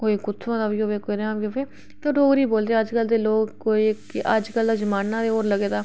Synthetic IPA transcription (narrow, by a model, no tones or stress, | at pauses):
koːikʊt̪ʰːãːd̪aːbiːoːʋeːkeɾãːbiːoːpeː | t̪oɖoːɾiːboːld̪eːəd͡ʒkəld̪eːloːɡkoːiː | ʔəd͡ʒkəld̪aːd͡ʒəmaːnːãːd̪eːoːɾləɡeːd̪aː